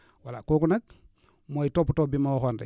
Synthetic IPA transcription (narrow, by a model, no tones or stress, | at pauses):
walakoːkunak̚ | mojitoːputobimauxondḛ